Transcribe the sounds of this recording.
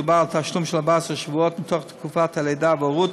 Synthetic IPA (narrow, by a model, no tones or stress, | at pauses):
balˠtaʃlˠʊmʃɛlˠabasəʃvuɔtn̩tʰɔχdɪkʰufatʰalˠeɪdavɔʁu